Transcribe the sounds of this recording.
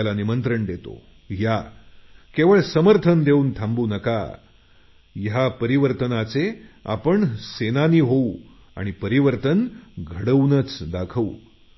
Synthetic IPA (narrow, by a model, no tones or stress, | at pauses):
alanimənt̪ɾəɳd̪et̪o̰ | ja | keʋəɭsəməɾt̪ʰənd̪euːnt̪ʰãmbuːnəka̰ | jɦapəɾiʋəɾt̪ənat͡sea̰pəɳsenaniːɦou | a̰ɽ̃ipəɾiʋəɾt̪ənɡʱəɽəʋnət͡sd̪akʰəu